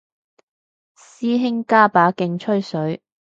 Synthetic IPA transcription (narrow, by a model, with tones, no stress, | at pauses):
siː˥ɦɪ˥ŋkaː˥paː˨˥kɪ˧ŋt͡ʃʰɵ˥ɥsɵ˨˥ɥ